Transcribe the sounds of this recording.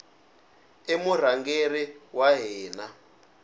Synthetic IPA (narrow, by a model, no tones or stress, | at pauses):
emur̤aŋɡeriwaɦɛɛːna